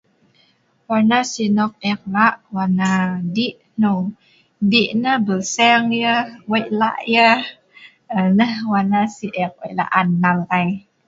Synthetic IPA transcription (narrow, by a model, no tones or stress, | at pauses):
wanasinɔk̚ɛk̚laʔwanadiʔ | no | diʔnəbəlsɛŋjəwajʔla̰ʔjə | ənəhwanasiʔɛk̚wḛla̰ʔanːalaj